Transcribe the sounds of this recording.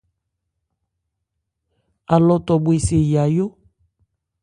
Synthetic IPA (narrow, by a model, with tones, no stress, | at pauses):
a˨lɔ˦t̪ɔ˨bu˦e˨se˨ja˨jo˦